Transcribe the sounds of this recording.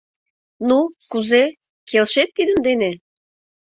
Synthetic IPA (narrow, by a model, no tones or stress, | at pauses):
nukuze | kʰelʃet̪ːid̪ə̆nd̪ene